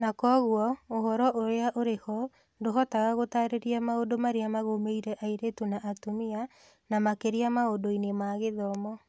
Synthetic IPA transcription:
nakɔːɣwɔoɦɔɾɔʔoɾeaʔoɾehɔ | ndoɦɔtaɣaɣotaɾeɾiamaodomaɾeamaɣomeiɾɛʔaiɾetunaʔːtumia | namakeɾiamaodoinemaɣeðɔmɔ

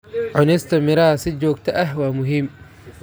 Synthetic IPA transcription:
ʕʊnɪst̪ɐmɪɾaːsɪd͡ʒoːk̚t̪ʰɐʔɐhwaːmʊɦɪm

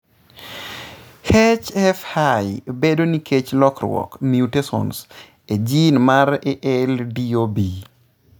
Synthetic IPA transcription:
het͡ʃɛfhajbedoniket͡ʃlɔkɾwɔ̰kmjutesɔ̰ns | ed͡ʒinmaɾeʔɛldiobi

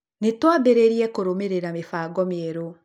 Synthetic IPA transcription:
netwabeɾeɾiɛkoɾomeɾeɾamefaɡɔmeeɾo

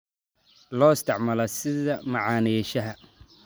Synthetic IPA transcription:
lɔːɪst̪ʰɪʕmɐlɐsɪðɐmɑʕɑːniʃɐɦɐ

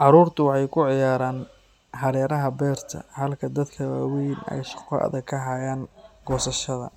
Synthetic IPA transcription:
ʕɑɾuːrt̪ʰʊwɑħɑjkʰʊʕɪjaːɾaːn | ħɐɾɛːɾɐɦɐbɛːrt̪ʰɐ̰hɐlkʰɐd̪ɐd̪kʰɐwaːwiːnɛ̰jʃɑ̥qɔ̰ʔɐ̰ðɐkʰɐɦajaːŋɡɔːsɐʃɐðɐ̰

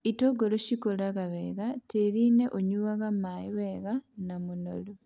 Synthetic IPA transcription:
itoɡoloʃikolaɣaβeɣateɾine̞ʔoɲuβaɣamajiweɣanamuno̰lu

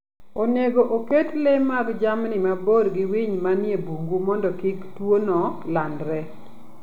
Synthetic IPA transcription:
oneɡoʔoketlemaɡd͡ʒamnɪmaboɾɡɪwiɲmanjebuŋɡumɔndɔkiktwonɔlandɾɛ

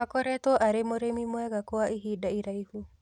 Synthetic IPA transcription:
akɔɾɛt̪ɔʔaɾemoɾemimwɛɣakɔaʔiɦidaiɾaihu

